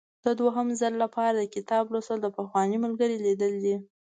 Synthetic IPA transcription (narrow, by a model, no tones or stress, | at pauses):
d̪̥əd̪waɦəmzəlːapʰɑɾad̪əkɪt̪ɑblosəld̪əpəxwɑniməlɡəɾilid̪əld̪i